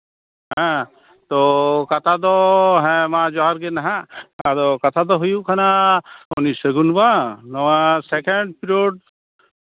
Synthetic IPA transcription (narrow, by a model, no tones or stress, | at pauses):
ɦɛ̃ | t̪okɐt̪ʰad̪oɦɛ̃mãːd͡ʒɔɦɔɾkenɐɦãd̪okɐt̪ʰad̪oɦujukʰɐnaonisəɡunbanɐwasekeɳɖpiɾioːɖ